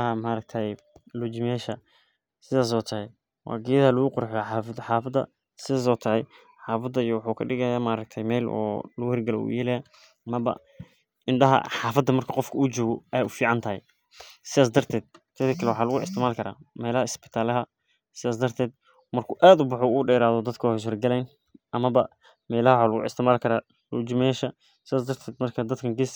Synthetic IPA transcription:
ɦɐmaɾɐɡ̚t̪ʰɐj | lʊd͡ʒɪmɛːʃɐ | sɪðaːs̬ɔːt̪ʰɐhɛj | wɑ̰ːɡɪjɐðɐlʊɣʊqʊɾħjaħɑːfd̪ħɑːfɐd̪ɐ̰ | sɪðaːs̬ɔːt̪ʰɐʕɛj | ħɑːfɐd̪ːɐijɔwħuːkʰɐɖɪɣɐjaːmaɾɐk̚t̪ʰɐjmɛːlɔ̰ːlɐɣʊhɛrɡɐlɛ̰ṵjɛlɐjaː | mɐbɐ̰ | ʔɪnɖɐɦɐ̰ħɑːfɐd̪ːɐmɐrkʰɐqɔfkʰʊut͡ʃɔːɣɔɛːʊfiːʕɑnt̪ʰɐɦɛ̰j | sɪðaːs̬d̪ɐrt̪ʰɛːd̪̚t̪ʰɐkɐkʰɐlɛwħaːlɐɣʊʔɪst̪ʰɪʕmaːlkʰɐɾa̰ːmɛːlɐhɐɪsbɪ̥t̪ʰaːlɐɦɐ | sɪðaːs̬d̪ɐrt̪ʰɛːd̪̚ | mɐrkʰʊʔaːd̪ʊbʊħuːuːɖɛːɾaːðɔd̪ɐd̪kʰɐhɪs̬ɔrɡɐlɛjn | ʔɐmɐbɐ | mɛːlɐhɐwħaːlʊɣʊ̰ʔɪ̰st̪ɪʕmaːlkʰɐɾaː | lut͡ʃɪmɛʃɐ | sɪðaːs̬d̪ɐrt̪ʰɛːd̪mɐrkʰɐd̪ɐd̪kʰɐŋɡɪs

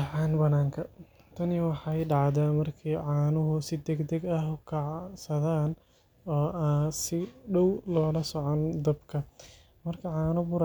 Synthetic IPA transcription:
ʕɑːnbɐnaːŋkʰɐ | t̪ʰɐnɪwɑħɑjɖɑʕd̪aːmɐrkʰɛjʕɑːnʊɦʊsɪd̪ɛɡd̪ɛɡɐɦʊkʰɐʕsɐðaːn | ɔːaːsɪɖɔwlɔːlɐsɔʕɔnd̪ɐbkʰɐ | mɐrkʰɐʕɑːnʊbʊɾ

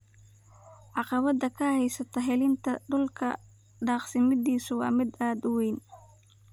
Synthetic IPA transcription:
ʕɑqɑβɐd̪ɐkʰɐhɛjsɐt̪ʰɐɦɛlɪnt̪ʰɐɖʊlkʰɐ̰ | ɖɑːqsɪmɪd̪iːsʊwɑ̰ːmɪd̪aːd̪ʊwejn

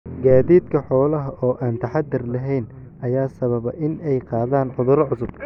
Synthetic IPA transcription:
ɡaːðiːd̪kʰɐħɔːlɐɦɐʔɔːʔaːnt̪ʰɐħɑd̪ːɪrlɐɦɛjn | ʔɐjaːsɐβɐβɐʔɪnɛjqɑːðaːnʕʊðʊɾɐʕʊsʊb̚

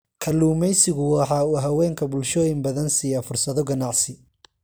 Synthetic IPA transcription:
kʰɐluːmɛjsɪɣʊwɑħɑːuːɦɐwɛːŋkʰɐbʊlʃɔːjɪmbɐðɐnsiːjafʊrsɐðɔɡɐnɑʕsɪ

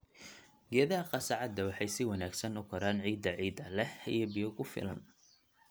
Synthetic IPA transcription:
ɡɛːðɐɦɐqɑsɑʕɑd̪ːɐwɑħɑjsɪwɑnaːɡsɐnʊkʰɐɾaːnʕiːd̪ːɐʕiːd̪ɐlɛhḭjɔbɪjɔɣʊfɪ̰lɐ̰n

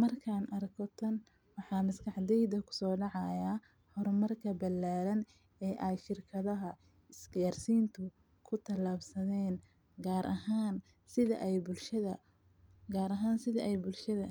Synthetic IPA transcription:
mɐrkʰaːnʔɐrkʰɔt̪ʰɐn | wɑħɑːmɐskɑħd̪ɛjd̪ɐkʰʊ̥sɔːɖɑʕɑjaː | hɔɾmɐrkʰɐbɐlaːɾɐn | ɛːʔɛjʃɪrkʰɐðɐɦɐ | ɪsɡaːrsiːnt̪ʰʊ | kʰʊt̪ʰɐlaːbsɐðɛːn | ɡaːɾʔɐɦaːn | sɪðɐ̰ʔɛjbʊlʃɐðɐ | ɡaːɾɐɦaːnsɪðɐʔɛjbʊlʃɐðɐ

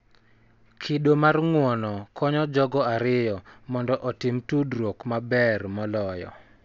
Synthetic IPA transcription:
kʰɪɗomarŋwɔnɔkʰɔɲɔd͡ʒɔɡɔaɾɪjɔmɔndɔʔɔtɪmtudɾokmabɛrmɔlɔjɔ̰

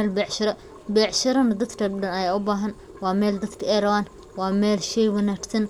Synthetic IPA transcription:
ɛlbɛːʕʃɐɾɐ | bɛːʕʃɐɾɐnɐd̪ɐd̪kʰɐdɐnɐjɛʊbaːɦɐn | wɑːmɛːld̪ɐd̪kʰɐɛjrɐβaːn | wɑːmɛːlʃɛjwɐnaːɡsɐn

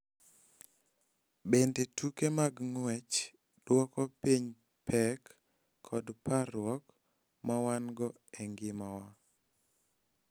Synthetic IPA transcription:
bendetukemaɡŋwɛt͡ʃ | d̥wɔkɔpiɲ | pʰɛkʰː | ɔdparʊwɔk | mawanɡɔ | ɛŋɡɪmawa

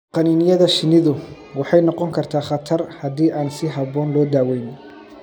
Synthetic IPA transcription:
qɑniːnɪjɐðɐʃɪnɪðʊ | wɑħɑjnɔqɔŋkʰɐrt̪ʰaːχɑt̪ʰɐrhɐdiːʔaːnsɪɦɐβɔːnlɔːd̪aːwɛjnɪ

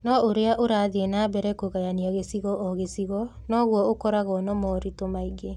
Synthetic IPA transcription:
nɔoɾeaʔoɾaːðienaːbɛɾɛkoɣajaniaɣesiɣɔʔɔɣesiɣɔnɔɣwɔokɔɾaɣɔnɔmɔːɾitomaiɡe

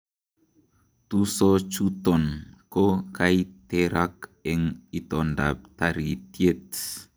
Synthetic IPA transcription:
t̪usot͡ʃut̪ɔnkokajt̪eɾakɛŋit̪ɔnda̰p̚t̪aɾit̪jet̪̚

